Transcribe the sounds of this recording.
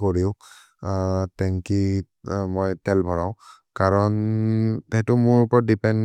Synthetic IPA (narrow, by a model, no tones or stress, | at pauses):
koɹiʊ | tɛŋki | mɔjtɛlbʱɔɹãʊ̃ | kaɹɔntɛɦɛtʊmʊɹʊpɔɹɔdipɛn